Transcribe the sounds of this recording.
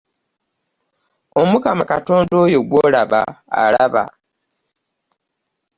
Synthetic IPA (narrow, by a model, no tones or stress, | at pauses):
o̞mukamakato̞ːndo̞ːjo̞ɡwoːlaβa̰ːlaβa̰